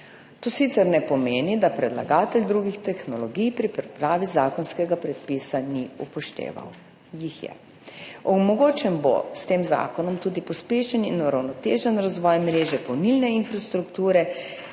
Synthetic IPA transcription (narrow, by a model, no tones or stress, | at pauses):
t̪osit̪sɛɾnɛpɔmeːnid̪apɾɛd̪laɡaːt̪ɛlʲd̪ɾuːɡixt̪ɛxnɔlɔɡijpɾipɛpɾaːʋizaːkɔnskɛɡapɾɛt̪̚pisaniupɔʃt̪ḛːʋa̰w | jixjɛ̰ | ɔmɔɡoːt͡ʃɛmbo̰st̪eːmza̰ːkɔnɔmt̪uːd̪ipɔspeːʃɛninuɾawnɔt̪eːʒɛnɾazʋɔjmɾeːʒɛpɔwnilnɛinfɾast̪ɾukt̪uːɾɛ